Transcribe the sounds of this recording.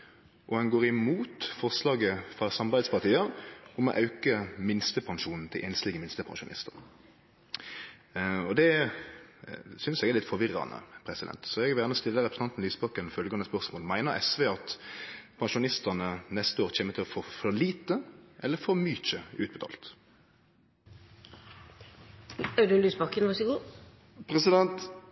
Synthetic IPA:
ʔɔhɑnɡoːʁɪmuːt̪fɔʁslɑːɡəfʁɑsɑmɑbæɪd̪spɑʁt̪ʰiːəɾʊmɔ̰ʔɑʉkəmɪnst̪əpʰɑŋʂuːnn̩t̪ʰɪlʔɛːnst̪ɪɡəmɪnst̪əpʰɑ̰ŋʃʊnɪ̰st̪əʁ | ɔd̪ɛ | sʏnsɛɡɛlɪt̪fɔʋɪrɑ̰nə̰pʰɾɛsɪd̪ɛ̰nt̪sɔɛɡʋæʁnəst̪ɪlːəɾɛpɾəsʰɑnt̪n̩yːsbɑkənfœlɡɑnəspœʁsmoːlmæɪnəɾɛ̰sʋeːɑt̪pʰɑŋʃʊnɪst̪ənənɛst̪əoːɾc͡çeːmət̪ʰɪlfɔʁfɔʁliːt̪əʔɛlːəfɔɾmyːt͡ʃəʉːt̪̚bət̪ʰɑ̰ːlt̪ | æd̪ʉlyːsbɑkənʋɑsəɡuː | pʰɾɛsɪd̪ɛnt̪

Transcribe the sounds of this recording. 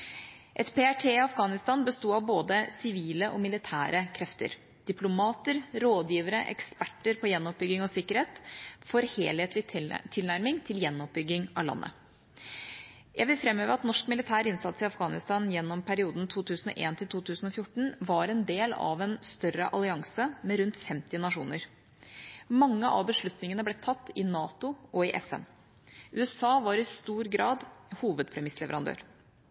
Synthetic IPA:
ʔɛt̪pʰeæʈʰeːɑfɡɑːnɪst̪ɑːnbəst̪uːɑʋboːd̪əsɪʋiːləʔɔmɪlɪt̪ʰæ̰ːɾʔəkʰɾɛft̪ə̰ɾ | d̪̥ɪplʊmɑːt̪əɾɾoːd̪jiːʋəɾəʔɛ̰kspæʈːəɾpʰɔjɛnːɔp̚bʏɡːɪŋɔsɪkːəɾeːt̪fɔɾheːlheːt̪lɪt̪ʰɪlnæɾmɪŋt̪ʰɪljɛnːɔp̚bʏɡːɪŋʔɑlɑ̰nːʔə̰ | jʔæɪʋɪlfɾɛmːøːʋəɾɑt̪nɔʂkmɪlɪt̪ʰæːɾɪnsɑt̪sɪɑfɡɑːnɪst̪ɑːnjɛnːɔmpʰæɾɪuːd̪nt̪ʰuːt̪ʰʉːsn̩ɔ̰ʔḛːnt̪ʰɪlt̪ʰuːt̪ʰʉːsn̩ɔfjʊʈːɳ̩ʋɑɾɛnd̪eːlɑ̰ʋɛnst̪œɾəʔɑlɪɑŋsəmɛɾʉnt̪fɛmt̪ɪnɑʂuːnəɾ | mɑŋːəʔɑ̰bəʂɭʉt̪nɪŋənəblɛt̪ʰɑt̪ːɪnɑːt̪ʊʔɔɪʔɛfɛ̰n | ʔʉːɛsɑːʋɑɾɪst̪uːɾɡɾɑːd̪huːʋəd̪̚pʰɾɛmɪslɛʋəɾɑnd̪ø̰ːɾ

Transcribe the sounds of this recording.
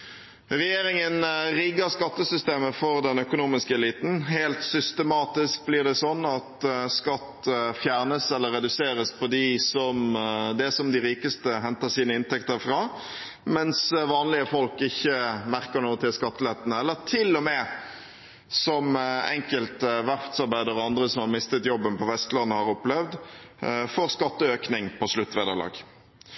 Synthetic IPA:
ɾɛjeːɾɪŋənɾɪɡəɾskɑt̪ːəsʏst̪eːməfɔɾd̪ɛnœkʊnuːmɪskəɛliːt̪n̩ɦelt̪sʏst̪əmɑːt̪ɪsk̚blɪɖ̪ɛsɔnːɑt̪skɑt̪ːfjæːʁnəsɛlːəɾɛd̪ʉseːɾəspʰɔd̪ɪsɔmd̪ɛsɔmd̪ɪɾiːkəst̪əɦɛnt̪əsiːnəɪnt̪ɛkt̪əɾfɾɑː | mɛnsʋɑːnlɪəfɔlkɪçːəmæʁkəɾnuːt̪ʰɪlskɑt̪ːəlɛt̪ənəɛlːəɾt̪ʰɪlːɔmɛː | sɔmɛ̰ŋkəlt̪ʋæʁft̪sɑɾbæɪd̪əɾɔɑnd̪ɾəsɔmhɑɾmɪst̪ət̪jɔbːənpʰɔʋɛst̪lɑnːəhɑʁɔplɛʋd̪ | fɔɾskɑt̪ːəøːknɪŋpʰɔslʉt̪ːʋeːd̪əʁlɑ̰ːɡ

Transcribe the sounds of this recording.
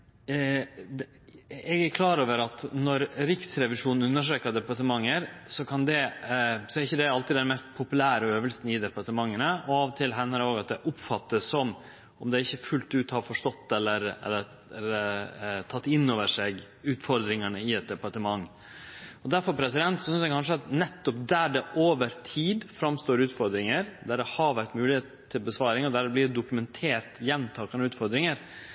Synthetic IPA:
ɛɡæɾkʰlɑːɾoːʋəɾɑt̪nɔɾɾɪksɾɛʋɪʂuːnn̩ʉnːəʂɾeːkɑd̪ɛpɑɾʈəmɑŋːəɾsɔkʰɑnd̪ɛsɔæɾɪçːəd̪ɛɑlt̪ɪd̪ɛnmɛst̪pʰʊpʉlæːɾəøːʋəlsnɪd̪ɛpɑɾʈəmɑŋːənəɔɑʋɔt̪ʰɪlɦɛnːəɾoːɡɑt̪̚d̪ɛʔʊpfɑt̪ːəsːɔm | ɔmd̪ɛæɾɪçːəfʉlt̪ʉːt̪hɑɾfɔʂʈɔt̪ːɛlːəɾɛ̰lːəɾ | ɛ | t̪ʰɑt̪ːɪnːoːʋəʂeɡ | ʉːt̪fɔɾd̪ɾɪŋənəɪɛt̪̚d̪ɛpɑʈəmɑŋː | ɔd̪æɾfɔɾpʰɾɛsɪd̪ɛnt̪sɔsʏnsjækʰɑnʂəɑt̪nɛt̪ːɔp̚d̪æɖɛʔoːʋəɾt̪ʰiːd̪fɾɑmst̪oːɾʉːt̪fɔɾd̪ɾɪŋəɾd̪æɖɛhɑɾʋæʈ̪mʉːlɪheːt̪t̪ʰːɪlbəsʋɑːɾɪŋɔd̪æɾɛblɪɖɛd̪ʊkʉmɛnt̪ʰeːɾt̪jɛnmːt̪ʰɑːkɑnəʉːt̪fɔɾd̪ɾɪŋəɾ

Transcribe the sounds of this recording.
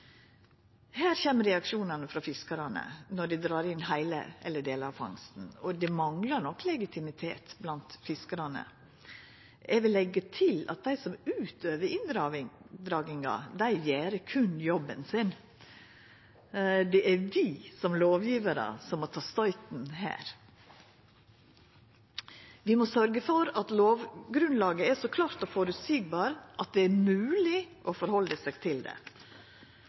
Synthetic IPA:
hæːɾçeːməɾɛɑkʂuːnɑnəfɾɑfɪskɑɾɑnə̰nɔɖɪd̪ɾɑːɾɪnhæɪlə̰ɛlːəɖeːləɾɑʋfɑ̰ŋst̪n̩ɔd̪ɛmɑŋlɑɾɳɔkːlɛɡɪt̪ʰɪmɪt̪ʰḛːt̪blɑnt̪fɪskəɾɑnə̰ | ʔɛɡʋɪlːɛɡːət̪ʰɪlɑ̰t̪̚d̪æɪsɔmʉːt̪ʰøːʋəɾɪnd̪ɾɑɪd̪ɾɑːɡɪŋɑ̰d̪æɪjeːɾəkʰʉnjɔbːənsɪn | d̪ɛʔæɾʋɪsɔmloːʋjiːʋəɾə̰sɔmːɔt̪ʰɑːst̪ɑʏt̪n̩ɦæ̰ːɾ | ʋɪmɔsœɾɡəfɔɾɑt̪loːʋɡɾʉnlɑːɡəɛsɔkʰlɑːɾt̪ɔfɔɾʉt̪siːɡbɑːɾʔɑt̪̚d̪ɛæɾmʉːlɪʔɔfɔɾhɔld̪əsɛːɡt̪ʰɪld̪ɛ̰

